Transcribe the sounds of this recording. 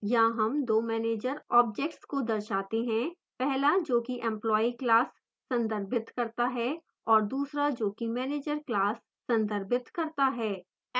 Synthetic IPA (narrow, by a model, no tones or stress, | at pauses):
jaɦɐmd̪oːmɛːneːd͡ʒəɾɔːb̚d͡ʒɛːk̚ʈskod̪ɐɾʃaːt̪eɦɛ̃ | pɛɦlad͡ʒoːkiʔɛ̃mplɔːiklaːsː | ɐ̃nd̪əɾbɪt̪kɐɾt̪aɦɛ | ɔːɾd̪uːsɾad͡ʒoːkimɛːneːd͡ʒəɾklaːsːɐ̃nd̪əɾbɪt̪kɐɾt̪aɦɛː